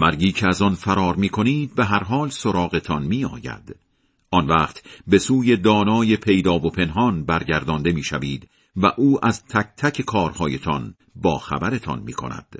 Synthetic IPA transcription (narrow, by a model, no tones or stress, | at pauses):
mæɾɟiːcʰeæzɒnfæɾɒːɾmiːkʰo̞niːd̪̚be̞ɦæɾɦɒːlsoɾɒːɣe̞t̪ʰɒnmiːɒ̰ːjæ̰d̪̥ | ɒnvæːqt̪be̞suːje̞d̪ɒːnɒːje̞pʰe̞jd̪ɒːvopʰe̞nɦɒːnbæɾɟæɾd̪ɒːnd̪e̞miːʃæviːd̪ | væʔuːʔæzt̪ʰæk̚ʰt̪ʰæcʰe̞kʰɒːɾhɒːje̞t̪ʰɒn | bɒːxæ̰bæɾe̞t̪ʰɒ̰nmḭːkʰo̰næ̰d̪̥